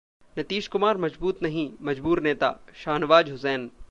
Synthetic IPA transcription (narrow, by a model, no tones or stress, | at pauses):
nɐt̪iːʃkʊmaːɾmɐd͡ʒbuːt̪nɐɦĩmɐd͡ʒbuːɾneːt̪a̰ːʃaːnʋaːd͡ʒɦʊsɛːn